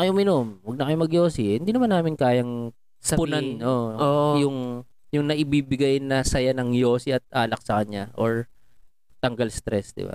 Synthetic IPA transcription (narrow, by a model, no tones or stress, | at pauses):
ɐjomɪnomwɐɡ̚nɐkɐjomɐɡjoːsɪhɪnd̪inɐmanːaːmɪnkaːjɐŋ | sɐpʊnanoojʊŋ | jʊŋnɐʔɪbibɪɡajnːɐsɐjanɐŋjo̞ːsiʔɐt̪̚ʔaːlɐk̚sɐkɐɲɲaʔoɹ | t̪ɐŋɡɐlst̪ɾɛsd̪ɪ̰ba̰